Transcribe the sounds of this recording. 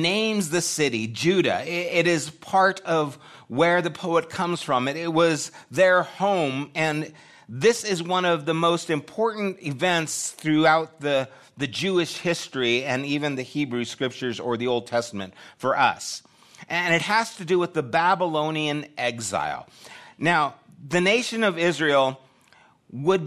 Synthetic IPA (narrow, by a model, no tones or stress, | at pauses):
nẽɪ̃mzðɨsɪɾid͡ʒʉɾɨ̰ɪɾɪz̥pʰɑɹɾʌv | wə˞ðɨpʰoʊɨt̚kʰʌ̃mz̥fɹʌ̃mɨɾɪt̚wʌzðə˞hõʊ̃mɨ̃n | ðɪsɪzwʌ̃nʌvðəmoʊstɨ̃mpʰɔɹʔn̩tɪvɛ̃ntsθɹʉaʊt̪̚ðɨ | ðɨd͡ʒʉɨʃhɪstɹ̥iɨ̃nivɨ̃nðɨhibɹʉskɹɪp̚t͡ʃə˞zə˞ðioʊlˠd̚tʰɛstəmɨ̰̃ntfə˞ʔʌ̰s | ʔɨ̃nɨt̚hɨz̥tɨdɨwəðɨbæbəlõʊ̃niɨ̃nɛɡza̰ɪlˠnaʊ | ðɨneɪʃɨ̃nʌvɪzɹil̩ˠ | wəd̚